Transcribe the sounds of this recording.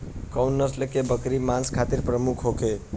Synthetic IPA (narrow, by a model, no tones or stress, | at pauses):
kʌwnːəslekebəkɾimanskʰat̪iɾpɾəmukʰɦoke